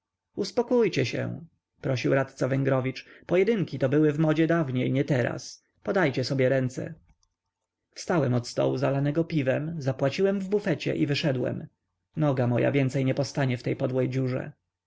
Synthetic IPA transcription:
uspɔkujt͡ɕɛɕɛ̰ | pɾɔɕiwɾat̪t̪savɛŋɡɾɔvʲit͡ʂpɔjɛd̪ɘŋkʲit̪ɔbɘwɘvmɔd͡ʑɛd̪avɲejɲɛt̪ɛɾa̰s | pɔd̪ajt͡ɕɛsɔbʲjɛɾɛnt̪sɛ̰ | fst̪awɛmɔt̪st̪ɔ̰wuzalanɛɡɔpʲivɛmzapwat͡ɕiwɛmvbufɛt͡ɕɛ̰ʔivɘʂɛd̪wɛ̰m | nɔɡamɔja̰vʲjɛnt̪sɛjɲɛpɔst̪aɲɛft̪ɛjpɔd̪wɛjd͡ʑuʐɛ̰

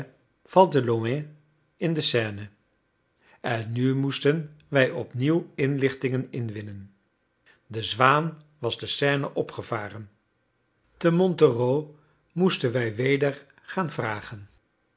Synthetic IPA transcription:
v̥ɑlˠtəloɛ | ɪndəsɛːnə | ɛnːymustənʋɛjɔpniwɪnlɪχtɪŋənɪnʋɪnən | dəzʋaːn | ʋɑzdəsɛːnəʔɔpχəv̥aːrən | təmɔntəroː | mustənʋɛjʋejdəɹ | χaːnvraːχən

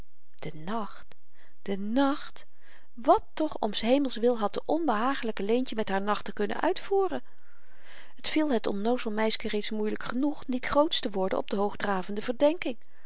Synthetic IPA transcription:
d̥ənɑχt | d̥ənɑχt | ʋɑtːɔχɔ̰msɦejməlˠsʋɪlˠɦɑt̚dəʔɔnbəɦaːχələkəlejncəmɛtɦaːɹnɑχtəkɵnə̰nʔœ̰ɥtfuːrən | ɦətfilˠɦətɔ̰nnowzəlˠmɛjskərejtsmujləkχənuχnitχrowtstəʋɔɹdə̰nɔ̰b̚dəɦowχdraːvəndəvəɹdɛŋkɪŋ

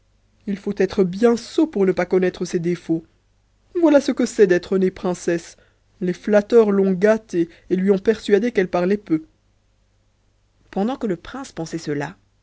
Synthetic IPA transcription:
ilfot̪ɛt̪χəbjɛ̃sopuʁnəpakɔnɛt̪χəsɛd̪efo | vwalasəkəsɛd̪ɛt̪χønepχɛ̃sɛs | leflat̪œʁlɔ̃ɡat̪eː | lɥiɔ̃pɛʁsɥad̪ekɛlpaʁlɛpø | pɑ̃d̪ɑ̃kələpχɛ̃spɑ̃sɛsəla

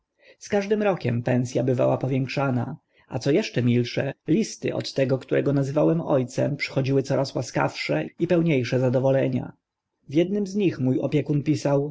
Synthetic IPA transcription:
skaʐd̪ɘmɾɔkʲɛmpɛ̃nsʲjabɘva̰wapɔvʲjɛŋkʂana | a̰t̪sɔjɛʂt͡ʂɛmʲilʂɛlʲist̪ɘ̰ʔɔ̰t̪ːɛɡɔkt̪uɾɛɡɔnazɘvawɛmɔ̰jt̪sɛ̰mpʂɘ̥xɔd͡ʑiwɘt̪ɔɾaswaska̰fʂɛipɛwɲejʂɛzad̪ɔvɔlɛɲa̰ | vʲjɛd̪nɘmzɲixmujɔ̰pʲjɛkunpʲisaw

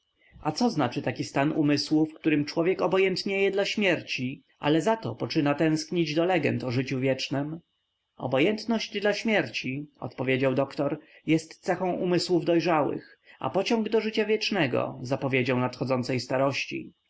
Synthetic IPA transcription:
at̪sɔznat͡ʂɘt̪akʲist̪anumɘswufkt̪uɾɘmt͡ʂwɔvʲjɛkɔbɔjɛnt̪ɲejɛd̪laɕmʲjɛɾt͡ɕi | ʔa̰lɛzat̪ɔ̰pɔt͡ʂɘnat̪ɛ̃w̃skɲid͡ʑd̪ɔlɛɡɛ̰nt̪ɔʐɘt͡ɕuvʲjɛt͡ʂnɛm | ɔ̰bɔjɛnt̪nɔʑd͡ʑd̪laɕmʲjɛɾt͡ɕiɔ̰t̪pɔvʲjed͡ʑawd̪ɔkt̪ɔɾjɛst̪t̪sɛxɔ̃w̃ʔumɘswuvd̪ɔjʐawɘ̰x | a̰pɔt͡ɕɔ̃ŋɡd̪ɔʐɘt͡ɕavʲjɛt͡ʂnɛɡɔ̰zapɔvʲjed͡ʑawnat̪xɔd̪zɔntsɛjst̪aɾɔɕt͡ɕḭ

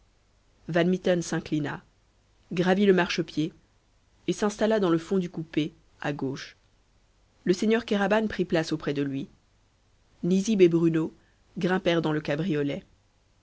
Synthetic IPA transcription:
vanmit̪ɔnsɛ̃klina | ɡʁaviləmaʁʃəpjeː | sɛ̃st̪alad̪ɑ̃ləfɔ̃d̪ykupe | aɡoːʃ | ləseɲjœʁkaʁabanpχiplasopχɛd̪əlɥi | nizibebʁyno | ɡʁɛ̃pɛʁd̪ɑ̃ləkabʁijɔlɛ

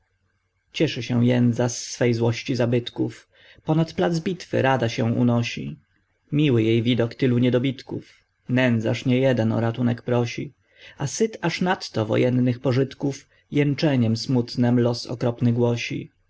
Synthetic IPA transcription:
t͡ɕɛʂɘɕɛw̃jɛnd̪zasːfɛjzwɔɕt͡ɕizabɘt̪kuf | pɔnat̪plad̪zbʲit̪fɘ̰ɾad̪aɕɛ̃ṵnɔɕḭ | mʲiwɘjejvʲid̪ɔkt̪ɘluɲɛd̪ɔbʲit̪kṵf | nɛnd̪zaʂɲɛjɛd̪ɛnɔ̰ɾat̪unɛkpɾɔɕi | asɘt̪aʂnat̪ːɔvɔ̰jʔɛnːɘxpɔʐɘt̪kuf | jɛnt͡ʂɛɲɛmsmut̪nɛmlɔsɔ̰kɾɔpnɘɡwɔɕḭ

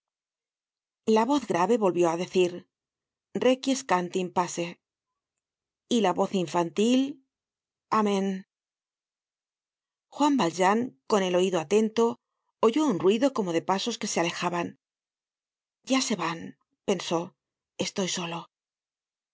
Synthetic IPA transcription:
laβo̞θɡɾaβe̞βo̞lβjo̞aðe̞θiɾ | re̞kjeskant̪impase̞ | ilaβo̞θiɱfant̪il | amẽn | xwambalʒaŋko̞ne̞lo̞iðoat̪e̞nt̪o̞ | oʝo̞unrwiðo̞ko̞mo̞ðe̞paso̞ske̞seale̞xaβan | ɟ͡ʝase̞βan | pe̞nso̞ | e̞st̪o̞jso̞lo

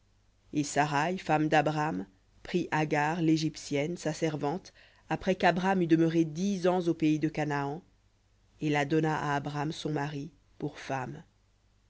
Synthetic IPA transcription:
esaʁajfamd̪abʁam | pχiʔaɡaʁleʒipsjɛnsasɛʁvɑ̃t̪ | apχɛkabʁamyd̪əmœʁed̪izɑ̃zopeid̪əkanaɑ̃ | elad̪ɔnaʔa̰ːbʁamsɔ̃maʁi | puʁfam

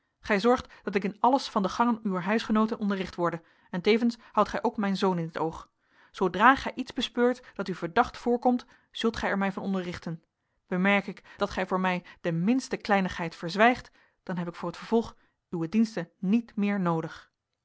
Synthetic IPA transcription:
χɛjzɔɹχtd̥ɑtɪk̬ɪnɑləsfɑndəχɑŋənyʋəɹɦœɥsχənowtənʔɔndərɪχtʋɔɹdə | ɛntejvənshɑwtχɛjʔowkmɛjnzownɪnətowχ | sowdraːχɛjʔitzbəspøːɹtd̥ɑtyvəɹdɑχtfʊːɹkɔmt | z̥ɵlˠtχɛjɛɹmɛjvɑnɔndəɹrɪχtən | b̥əmɛɹkɪkd̥ɑtχɛjvʊːɹmɛjdəmɪnstəklɛjnəχɦɛjtfəɹzʋɛjχt | d̥ɑnɦɛpɪkfʊːɹɦətfəɹv̥ɔlˠχ | ywʋədinstənitmɪːɹnowdəχ

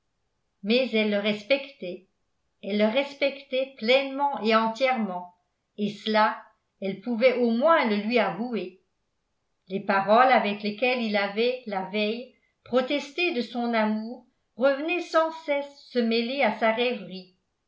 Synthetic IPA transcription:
mɛzɛlːəʁɛspɛkt̪ɛ | ɛlːəʁɛspɛkt̪ɛplɛnmɑ̃ʔeɑ̃t̪jɛʁmɑ̃ | esəla | ɛlpuvɛʔomwɛ̃ləlɥiavue | lepaʁɔlavɛklekɛlilavɛlavɛj | pχɔt̪ɛst̪ed̪əsɔ̃namuːʁː | əvənɛsɑ̃sɛsːəmɛleasaʁɛvʁi

